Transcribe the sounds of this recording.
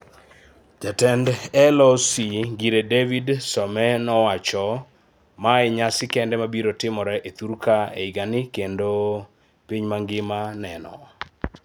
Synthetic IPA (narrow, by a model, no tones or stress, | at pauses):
d͡ʒatɛndɛlɔsiɡiɾedevidsɔmɛnɔwat͡ʃɔ | maɛɲasɪkɛndɛmabiɾotɪmɔɾɛʔet̪uɾkaḛiɡanɪkendo | piɲmaŋɡɪmanɛnɔ̰